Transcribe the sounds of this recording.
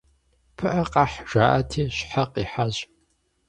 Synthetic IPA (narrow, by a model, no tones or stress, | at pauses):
pʰɨʔɐqɑħʒ̥aːʔɐ̰tʰiːɕħaqiːħaʑ